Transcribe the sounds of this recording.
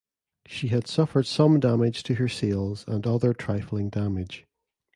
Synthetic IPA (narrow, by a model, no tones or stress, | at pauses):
ʃiəd̥sʌfə˞d̥sʌ̃mdamɪd̥ʒ̥tʰəə˞selˠzə̃nʌðə˞tʰɹ̥aɪfl̩ˠɪ̃ŋdamɪd̥ʒ̥